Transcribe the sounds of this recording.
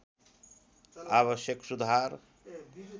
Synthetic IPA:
aβəsjəksud̪ʱaɾ

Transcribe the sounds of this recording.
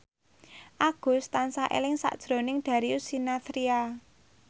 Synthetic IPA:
ʔaɡ̥ʊ̤st̪ansaʔḛlɪŋsa̰ʔd̥ʒ̥ɾo̤nɪŋɖ̥ä̤ɾiusinat̪ɾia

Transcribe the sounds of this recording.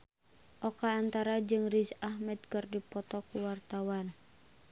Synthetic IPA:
ʔɔkaːnt̪aɾad͡ʒɨŋrizahmɛd̪̚kɨrdipɔt̪ɔkuwart̪awan

